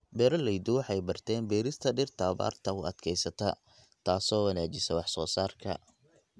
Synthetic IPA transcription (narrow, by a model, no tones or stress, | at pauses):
bɛːɾɐlɛjd̪ʊwɑħɑjbɐrt̪ʰɛːnbɛːɾɪst̪ʰɐɖɪrt̪ʰaːba̰ːrt̪ʰɐʊɐd̪kʰɛjsɐt̪ʰɐ | t̪ʰaːsɔːwɑnaːt͡ʃɪsɐwɑħsɔːsaːrkʰɐ̰